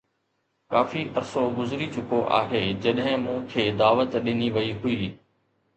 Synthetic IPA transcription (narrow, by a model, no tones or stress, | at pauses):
kaːfiʔɐɾsoɡʊzɾit͡ɕʊkoʔa̰ːɦeːd͡ʑɐɗɦɪ̃mũːkʰeːd̪aːʋət̪ɗɪniʋɐiɦʊiː